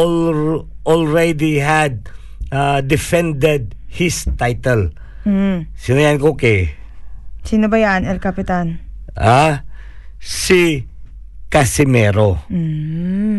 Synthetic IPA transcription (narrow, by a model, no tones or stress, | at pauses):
ol | ʔolɹɛd̪iɦad̪̚ | ad̪ɪfɛ̃nd̪ɛd̪̚hɪst̪ajt̪ɛl̩ː | sɪnɐjaankokɛ | sinobɐjanɛlkapɪt̪anʔa | si | kasɪmɛːɾo